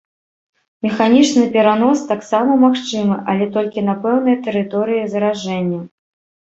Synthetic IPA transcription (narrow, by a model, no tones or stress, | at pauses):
mʲɛxanʲit͡ʂnɨpʲɛɾanɔst̪aksamɐmaxt͡ʂɨmɨʔɐlʲɛt̪ɔlʲkʲinapɛwnɨjɐt̪ɛɾɨt̪ɔɾɨjizɐɾaʐɛnʲːɐ